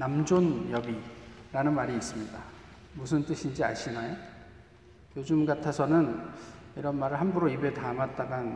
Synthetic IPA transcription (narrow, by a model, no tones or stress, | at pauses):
namd͡ʑonjʌbiɾanɯnmaɾiːs͈ɯmɲida | musʰɯnt͈ɯɕʰind͡ʑia̰ɕʰinajo | jod͡ʑɯmɡatʰasʰʌnɯniɾʌnmaɾɯɭhambuɾoibe̞tamat̚t͈aɡan